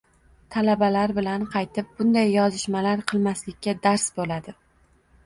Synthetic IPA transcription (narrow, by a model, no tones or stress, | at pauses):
t̪ʰalabalaɾbɪlanqʰɑjt̪ʰɪp̚b̥ʊnd̪ajːɒzɪʃmalaɾqʰɨlˠmaslɪkʲːad̪aɾsbolad̪ɪ